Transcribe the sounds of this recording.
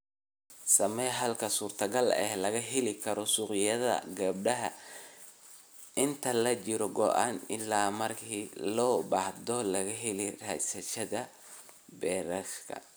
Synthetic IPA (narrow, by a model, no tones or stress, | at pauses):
sɐmɛɦɐlkʰɐsuːrt̪ʰɐɡɐlɛ̰hlɐɣɐɦɛlɪkʰɐɾɔsuːqjɐðɐ̰ɡɐb̚ɖɐɦɐ | ʔɪnt̪ʰɐlɐt͡ʃɪɾɔɡɔʔaːnɪ̰lːaːmɐrkʰiːlɔːbahd̪ɔlɐɣɐɦɛlɛrɐsɐʃɐðɐ | bɛːɾɐʃkʰɐ̰